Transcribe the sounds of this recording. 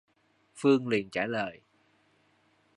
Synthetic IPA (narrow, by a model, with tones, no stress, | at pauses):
fɨ˧əŋli˨˩ənt͡ɕaː˧˩ləː˨˩j